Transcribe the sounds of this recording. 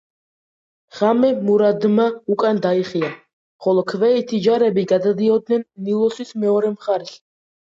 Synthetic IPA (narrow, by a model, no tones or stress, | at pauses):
ʁ̥amɛmuɾad̪maukʼand̪aiχia | χɔlˠɔkʰvɛit̪ʰid͡ʒaɾɛbiɡad̪ad̪iɔd̪nɛnːilˠɔsismɛɔɾɛmχaɾɛs